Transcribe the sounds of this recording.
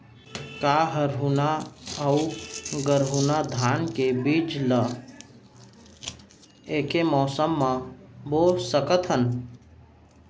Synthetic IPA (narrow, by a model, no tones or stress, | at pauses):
kaːɦəɾɦunaəuɡəɾɦunad̪ʱaːnkebiːd͡ʒlə | eːkemɔːsəmːãbosəkət̪ɦən